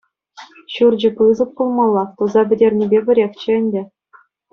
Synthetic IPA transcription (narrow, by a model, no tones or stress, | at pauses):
ɕurd͡ʑɘ̆pɯzɤ̆p̚kulˠmɑlˠːɑt̪uzɑbʲɘ̆dʲerʲnʲibʲebʲɘ̆ɾʲexʲt͡ɕɘ̆ɘ̆nʲdʲɘ̆